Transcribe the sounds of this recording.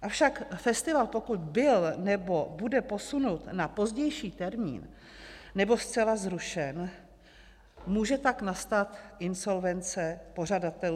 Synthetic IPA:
ʔafʃakfɛst̪ɪvalpo̞kut̪bɪlnɛbo̞budɛpo̞sunut̪napo̞zɟɛjʃiːt̪ɛɾmḭːn | nɛbo̞st͡sɛlazɾuʃɛn | muːʒɛt̪aknast̪at̪ʔɪnso̞lvɛnt͡sɛpo̞r̝adat̪ɛl

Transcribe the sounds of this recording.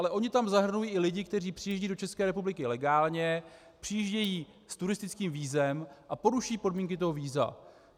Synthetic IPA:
alɛʔo̞ɲɪt̪amzaɦr̩nujiːʔɪlɪɟɪkt̪ɛriːpr̥ɪjɛʒɟiːdo̞t͡ʃɛskɛːɾɛpublɪkɪlɛɡaːlɲɛ | pr̥ɪjiʒɟɛjiː | st̪uɾɪst̪ɪt͡skiːmviːzɛmʔapo̞ɾuʃɛjiːpo̞dmiːŋkɪt̪o̞ɦo̞viːza̰

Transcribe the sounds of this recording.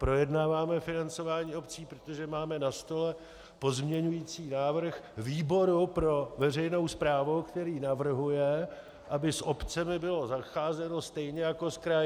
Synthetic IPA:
pɾo̞jɛdnaːvaːmɛfɪnant͡so̞vaːɲiːo̞pt͡siːpɾot̪o̞ʒɛmaːmɛnast̪o̞lɛ | po̞zmɲɛɲujiːt͡siːnaːvr̩xviːbo̞ɾupɾo̞vɛr̝ɛjnowspɾaːvowkt̪ɛɾiːnavr̩ɦujɛ | ʔabɪsʔopt͡sɛmɪbɪlo̞zaxaːzɛno̞st̪ɛjɲɛjako̞skɾaj

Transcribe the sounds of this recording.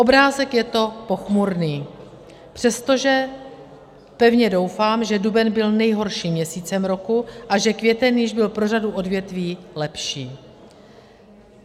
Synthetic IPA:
ʔo̞bɾaːzɛkjɛt̪o̞po̞xmuɾniː | pr̥ɛst̪o̞ʒɛ | pɛvɲɛdo̞wfaːmʒɛdubɛnbɪlnɛjɦo̞ɾʃiːmɲɛsiːt͡sɛmɾo̞kuʔaʒɛkvjɛt̪ɛnjɪʒbɪlpɾo̞raduʔo̞dvjɛt̪viːlɛpʃiː

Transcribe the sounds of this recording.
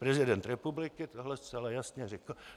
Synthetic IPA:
pɾɛzɪdɛnt̪ɾɛpublɪkɪt̪oɦlɛst͡sɛlajasɲɛrɪkl̩

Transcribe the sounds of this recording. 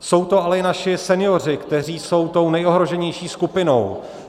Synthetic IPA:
so̞wt̪o̞ʔalɛɪnaʃɪsɛnɪjo̞r̝ɪkt̪ɛr̝iːso̞wt̪o̞wnɛjo̞ɦɾo̞ʒɛɲɛjʃiːskupɪno̞̰w

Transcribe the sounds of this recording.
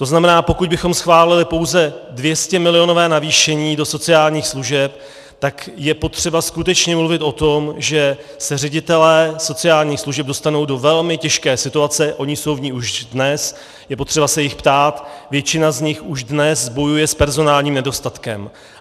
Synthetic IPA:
t̪o̞znamɛnaːpo̞kuɟ̚bɪxo̞msxvaːlɪlɪpo̞wzɛdvjɛscɛmɪlɪjo̞no̞vɛːnaviːʃɛɲiːdo̞so̞t͡sɪaːlɲiːxsluʒɛp̚ | t̪akjɛpo̞t̪r̝̥ɛbaskut̪ɛt͡ʃɲɛmluvɪt̪o̞t̪o̞mʒɛ | sɛrɛɟɪt̪ɛlɛːso̞t͡sɪaːlɲiːxsluʒɛb̚do̞st̪ano̞wdovɛlmɪcɛʃkɛːsɪt̪uat͡sɛʔo̞ɲɪso̞wvɲiːuʒdnɛs | jɛpo̞t̪r̝̥ɛbasɛjɪxpt̪aːt̪vjɛt͡ʃɪnazɲɪxuʒdnɛsbo̞jujɛspɛɾzo̞naːlɲiːmnɛdo̞st̪at̪kɛ̰m

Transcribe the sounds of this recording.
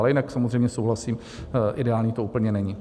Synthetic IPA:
lɛjɪnaksamozrɛjmɲɛsowɦlasiːm | ʔɪdɛaːlɲiːt̪ouːpl̩ɲɛnɛɲi

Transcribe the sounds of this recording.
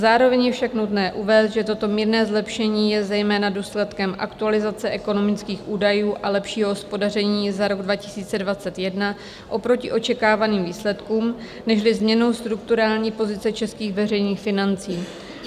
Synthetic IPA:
zaːɾo̞vɛɲjɛfʃaknut̪nɛːʔuvɛːst̪ʒɛt̪o̞t̪o̞miːɾnɛːzlɛpʃɛɲiːjɛzɛjmɛːnaduːslɛt̪kɛmʔa̰kt̪ualɪzat͡sɛʔɛko̞no̞mɪt͡skiːxʔuːdajuːʔalɛpʃiːɦoɦospo̞dar̝ɛɲiːzaɾo̞ɡdvacɪ̥siːt͡sɛdvat͡sɛt̪jɛdna | ʔo̞pɾo̞cɪʔo̞t͡ʃɛkaːvaniːmviːslɛt̪kuːm | nɛʃlɪzmɲɛno̞wst̪ɾuk̚t̪uɾaːlɲiːpo̞zɪt͡sɛt͡ʃɛskiːxvɛrɛjniːxfɪnant͡siː

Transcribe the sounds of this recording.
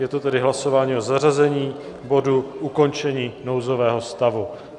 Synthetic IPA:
jɛt̪o̞t̪ɛdɪɦlaso̞vaːɲiːʔo̞zarazɛɲiː | bo̞duʔuko̞nt͡ʃɛɲiːno̞wzo̞vɛːɦo̞st̪avu

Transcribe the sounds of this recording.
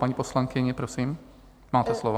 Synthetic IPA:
paɲiposlaŋkɪɲɛpɾosiːm | maːt̪ɛslovo

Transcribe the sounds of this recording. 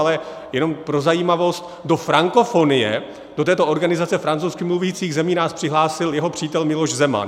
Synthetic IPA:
alɛ | jɛno̞mpɾo̞zajiːmavo̞st̪ | do̞fɾaŋko̞fo̞nɪjɛ̰ | d̥ot̪ɛːt̪o̞ʔo̞ɾɡanɪzat͡sɛfɾant͡sowskɪmluviːt͡siːɣzɛmiːnaːspr̥ɪɦlaːsɪljɛɦo̞pr̝̥iːt̪ɛlmɪlo̞ʃzɛma̰n

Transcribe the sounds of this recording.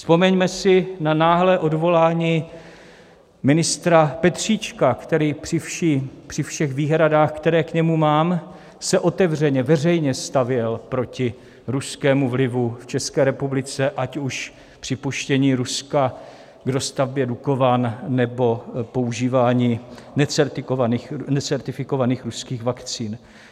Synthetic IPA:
spo̞mɛɲmɛsɪnanaːɦlɛːʔo̞dvo̞laːɲiː | mɪnɪst̪ɾapɛt̪r̝̥iːt͡ʃkakt̪ɛɾiːpr̥ɪfʃipr̥ɪfʃɛɣviːɦɾadaːxkt̪ɛɾɛːkɲɛmumaːm | sɛʔo̞t̪ɛvr̝ɛɲɛvɛrɛjɲɛst̪avjɛlpɾo̞cɪ | ɾuskɛːmuvlɪvuft͡ʃɛskɛːɾɛpublɪt͡sɛʔacuʃ | pr̥ɪpuʃcɛɲiːɾuska | ɡdo̞st̪avbjɛduko̞vaːnːɛbo̞po̞uʒiːvaːɲiːnɛt͡sɛɾt̪ɪkovaniːxnɛt͡sɛɾt̪ɪfɪko̞vaniːxɾuskiːɣvakt͡siːn

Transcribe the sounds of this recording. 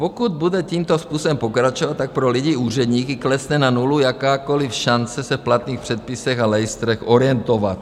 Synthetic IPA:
pokud̪̚bud̪ɛciːmt̪ospuːsobɛmpo̞kɾat͡ʃovat̪t̪ːak̚pɾoliɟiuːr̝ɛd̪ɲiːkɪklɛsnɛnanulujakaːkolifʃant͡sɛsɛfplat̪niːxpr̥ɛt̪̚pɪsɛxalɛjɪst̪ɾɛxoɾɪjɛnt̪ova̰t̪̚

